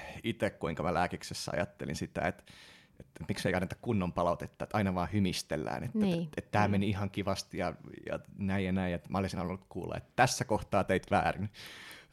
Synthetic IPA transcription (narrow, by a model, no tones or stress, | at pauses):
it̪ekkuiŋkɑmælæːkiksesːæɑ̰jɑt̪ːḛlḭnsit̪æ̰et̪ | et̪et̪mikseiɑnːet̪ɑ̥kkunːompɑlɑut̪et̪ːɑːet̪ɑinɑʋɑːhymist̪ḛlːæ̰ːnḛt̪ːæet̪t̪æːmeniihɑŋkiʋɑst̪jɑjɑ̰næijjɑnæijjet̪mʔæolesinɑlulːut̪kṵːlːɑ̰ḛt̪ːt̪æsːækoht̪ɑːt̪eit̪ʋæ̰ːrin